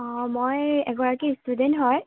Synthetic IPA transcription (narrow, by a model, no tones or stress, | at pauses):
mojɛ̰ɡɔɹakistudentɦɔj